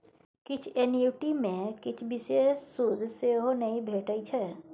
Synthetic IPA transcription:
kɪt͡ʃʰenjuːʈimẽkɪt͡ʃʰbisesud̪ʱseɦonɐĩbʱeːʈəit͡ʃʰɛ

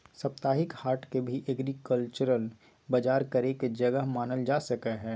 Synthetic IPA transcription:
sɐp̚t̪aːɦɪkhaːɾʈʰkebʱiʔɛɡɾikəlt͡ʃəɾəl | bɐd͡ʒaːɾkɐɾeked͡ʒɐɡəɦmaːnəld͡ʒaːsɐkəɦɛː

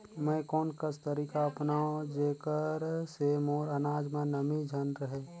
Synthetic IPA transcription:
mɛ̃kɔːnkəst̪əɾiːkaəpnaõd͡ʒeːkəɾsemoːɾənaːd͡ʒmẽnəmid͡ʒʱənɾəɦeː

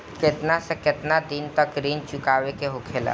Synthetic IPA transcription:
kɪt̪nasekɪt̪nad̪iːnt̪əkɾiːnt͡ʃʊkaːʋekeɦokʰeːla̰ː

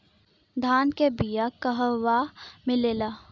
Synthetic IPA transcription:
d̪ʱaːnkebijakɐɦəʋaːmɪleːlaː

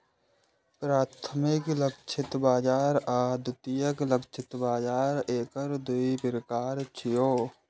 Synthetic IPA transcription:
pɾaːt̪ʰəmɪkləkt͡ʃʰɪt̪baːd͡ʒaːɾaːd̪ʊt̪ijəkləkt͡ʃʰɪt̪baːd͡ʒaːɾeːkəɾd̪uipɾəkaːɾt͡ʃʰijoː

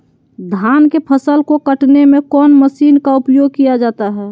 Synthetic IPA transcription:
d̪ʱaːnkepʰəsəlkokəʈnemẽkɔːnməsiːnkaupjoːɡ̚kijad͡ʒaːt̪aɦɛː

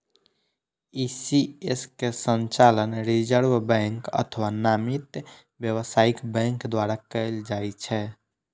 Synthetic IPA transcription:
isieskesənt͡ʃalənɾid͡ʒəɾbbɛ̃ŋkə̰t̪ʰəwanamit̪ | bjəβəsaikbɛ̃ŋkd̪waɾakəld͡ʒajt͡ʃʰɛ

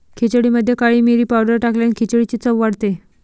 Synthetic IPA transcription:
kʰet͡ɕəɽiməd̪ʱːjekaɭiːmiɾiːpawɖəɾʈakljankʰit͡ɕəɽit͡ɕiːt͡səʋʋaɽt̪e

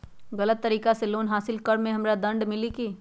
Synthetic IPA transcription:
ɣɐlət̪ːɐɾiːkaseloːnɦaːsɪlkɐɾmẽɦɐmɾad̪ɐ̃ɳɖmɪlikiː

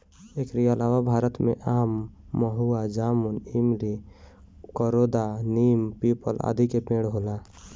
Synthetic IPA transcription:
eːkɾialaːwabʱaːɾət̪mḛ̃ʔaːmːəɦuad͡ʒaːmunimli | kəɾod̪aniːmpiːpəla̰d̪ʱikepẽːɽɦoːla

